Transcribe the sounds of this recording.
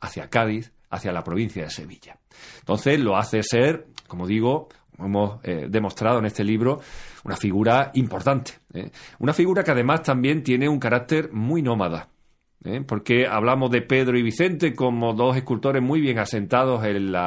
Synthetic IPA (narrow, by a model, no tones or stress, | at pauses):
aθjakaðiθ | a̰θjalapɾo̞β̞in̟θjaðe̞se̞̰βiʎa | nt̪o̞n̟θe̞slo̞aθe̞se̞ɾko̞mo̞ðiɣ̞o | omoemo̞sðe̞mo̞st̪ɾaðoene̞st̪eliβɾo̞ṵnafiɣuɾaimpo̞ɾt̪ant̪e̥ḛunafiɣuɾakeaðe̞mast̪ambje̞nt̪je̞ne̞uŋkaɾak̚t̪e̞ɾmujnõ̞maða̰ | ḛpo̞ɾke̞a̰βlamo̞zðe̞pe̞ðɾoiβ̞iθe̞nt̪e̞ko̞mo̞ðo̞se̞hkult̪o̞ɾe̞ɦmwiβ̞je̞ŋase̞nt̪að̞o̞se̞na